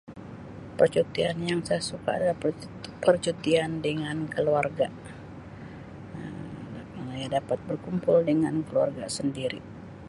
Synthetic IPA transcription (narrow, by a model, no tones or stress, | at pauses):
pərt͡ʃut̪ianjaŋsajasuka̰a̰dala | pərt͡ʃut̪iandəŋankəluarɡa | jadapat̪̚bərkumpʊldəŋankəlua̰rɡasəndiɾḭ